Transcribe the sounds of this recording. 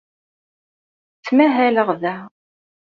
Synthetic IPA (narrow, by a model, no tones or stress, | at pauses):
t͡sːmæɦæləʁðæ